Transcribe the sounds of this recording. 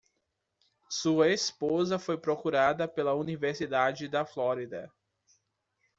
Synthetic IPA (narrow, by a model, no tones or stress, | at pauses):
suɐespozɐfojpɾokuɾad̪ɐpelɐuniveɾsid̪ad͡ʒɪd̪ɐfloɾid̪ɐ̰